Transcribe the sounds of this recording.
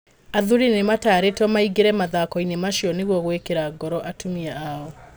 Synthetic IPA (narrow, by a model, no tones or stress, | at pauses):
aðuɾinemataɾetɔmaiɡeɾɛmaðakɔinemaʃiɔneɣwɔɣwekeɾaɡɔɾɔʔatumiaːɔ